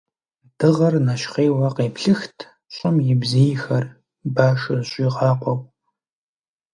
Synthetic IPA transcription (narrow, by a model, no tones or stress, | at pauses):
d̥ɨʁɐrnɐʃχeːwɐqeːpɬɨxtʰ | ɕʷʼɪmjɪbzejxɐr | baːʂɨzɕʼiʁɑːqʷɔkʷʼ